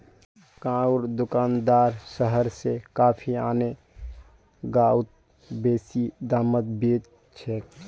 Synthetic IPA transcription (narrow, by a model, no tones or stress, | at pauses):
kãuɾd̪ʊkaːnd̪aːɾsəɦəɾsekaːpʰiaːne | ɡaːʊt̪̚ | beːsid̪aːmət̪beːt | t͡ʃʰɛ